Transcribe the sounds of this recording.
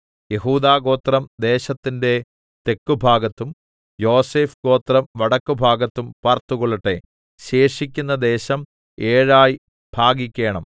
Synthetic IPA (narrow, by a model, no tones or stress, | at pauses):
je̞ɦuːd̪aːɡo̞ːt̪rɐmd̪e̞ːɕɐt̪ːinde̞ | t̪e̞kːubʱaːɡɐt̪ːum | jo̞ːse̞ːfɡo̞ːt̪rɐmʋɐɽɐkːubʱaːɡɐt̪ːumpaːrt̪uɣoɭɐʈːe̞ | ɕe̞ːʂikʲːunːɐd̪e̞ːɕɐm | eːɻaːj | b̥ʱaːɡikʲːe̞ːɳɐm